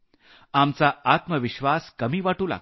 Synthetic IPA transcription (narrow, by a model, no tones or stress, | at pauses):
amt͡saat̪məʋiɕʋaskəmiːʋaʈuːla̰